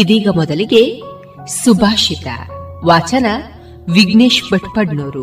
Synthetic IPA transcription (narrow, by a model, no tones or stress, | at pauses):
id̪iːɡɐmɔd̪ɐliɡe̞ | subʱaːʃit̪ɐ̰ʋaːt͡ʃɐnɐ | ʋiɡneːʃbɐʈpɐɖnoːɾu